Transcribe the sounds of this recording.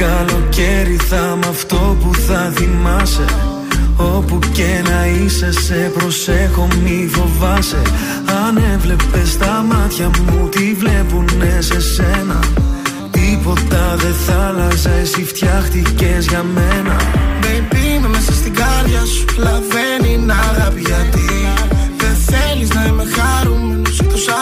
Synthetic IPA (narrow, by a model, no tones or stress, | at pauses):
kɐlo̞ceɾiθɐmɐft̪o̞puθɐθimɐse̞ | o̞pucenɐise̞se̞pɾo̞sexo̞mifo̞vɐse̞̰ | ɐne̞vle̞pe̞st̪ɐmɐt̪çɐmut̪ivle̞pune̞se̞senɐ | t̪ipo̞t̪ɐðe̞θɐlɐzesift̪çɐxt̪ice̞zʝɐme̞nɐbepimemesɐst̪iɡɐɾðʝɐsu̥lɐve̞ninɐɣɐpiʝɐt̪iðenθe̞liznɐimexɐɾu | st̪us